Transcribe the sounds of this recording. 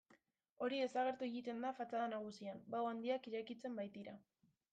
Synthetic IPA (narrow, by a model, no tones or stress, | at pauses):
o̞ɾiðe̞saɣ̞e̞ɾt̪ueɣit̪e̞nd̪afat͡saðanaɣ̞usiambawand̪iakiɾajkit͡se̞mbajt̪iɾa